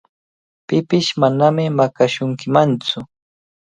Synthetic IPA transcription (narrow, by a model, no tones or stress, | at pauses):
pɪpɪʃmanamɪmakaʃʊŋkɪmant͡sʊ